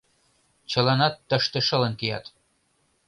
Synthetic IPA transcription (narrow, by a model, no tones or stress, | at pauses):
t͡ɕə̆lɑnɑt̪ːə̆ʃt̪ĕʃə̆lə̆nkijɑ̰t̪